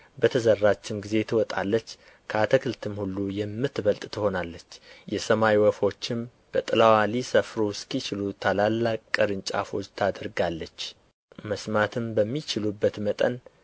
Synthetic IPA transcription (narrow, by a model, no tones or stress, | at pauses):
bət̪ʰəzərːat͡ʃːɪmɡize̞t̪ʰɨwɔt̪ʼa̰lːət͡ʃː | kʰəat̪ʰəkʰɨlt̪ʰɨmhulːujɛmːɨt̪ːβəlt̪ʼt̪ʰɨho̞nalːət͡ʃːjɛsəmawiwɔfo̞t͡ʃːɪm | b̥ət̪ʼɨlawalisəfɾoskit͡ʃɪlut̪ʰalalːakʼkʼːəɾɨnt͡ʃʼa̰fo̞t͡ʃːt̪ʰad̪əɾɡalːət͡ʃː | məsmat̪ʰɨmbəmːit͡ʃɪlubːət̪mət̪ʼə̰n